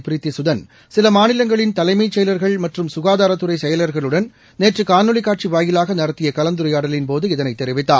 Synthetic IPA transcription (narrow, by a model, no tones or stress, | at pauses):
pɪɾɪt̪ːisʊðɐn | sɪlɐmaːnɪlɐŋɡɐɭɪnt̪ɐlɐɪmɐɪt͡ʃːɛjlɐɾɣɐɭmɐʈrɯmsʊɣaːðaːɾɐt̪ːɯɾɐɪsɛjɐlɐɾɣɐɭɯɽɐn | neːʈrɯkaːnɯɭɪkːaːʈ̚t͡ʃiʋaːjɪlaːɣɐnɐɾɐt̪ːɪjɐkɐlɐnd̪ɯɾɐjaːɽɐlɪnpoːðɯɪðɐnɐɪt̪ːɛɾɪʋɪt̪ːaː